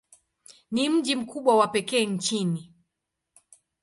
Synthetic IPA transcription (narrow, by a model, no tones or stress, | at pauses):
nim̩ʄim̩kuɓwawapɛkɛːɲ̩t͡ʃini